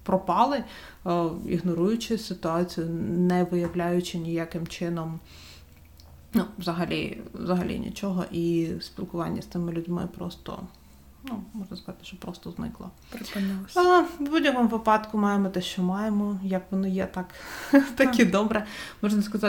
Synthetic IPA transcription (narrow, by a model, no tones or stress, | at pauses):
pɾɔpɑlˠɪ | ḭɦnɔɾujʊt͡ʃɪsɪt̪ʊɑt͡sʲijʊnɛʋɪjɐʋlʲajʊt͡ʃɪnʲijakɪmt͡ʃɪnɔm | nuʋzɐɦɐlʲḭʋzɐɦɐlʲḭnʲḭt͡ʃɔɦɔ̰ʔispʲilˠkʊʋɑnʲːɐst̪sɪmɪlʲʊdʲmɪ̰pɾɔ̰st̪ɔ̰ | numɔʒnɐskɐzɑt̪ɪ̥ʃt͡ʃɔpɾɔst̪ɔznɪ̰klˠɔ̰ | pɾnˠ | budʲɐkɔmʊʋɪpɑd̪kʊmɑjemɔt̪ɛʃt͡ʃɔmɑjemɔjɐkʋɔnɪjɛt̪ɑkt̪ɐkʲid̪ɔbɾɛmɔʒnɐskɐzɑ